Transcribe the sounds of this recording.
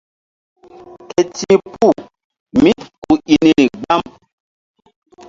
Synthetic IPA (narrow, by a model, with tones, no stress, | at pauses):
kɛ˨tĩ˦pu˦˨ | mĩ˦ku˨i˨ni˨ni˨ɡ͡ba˦m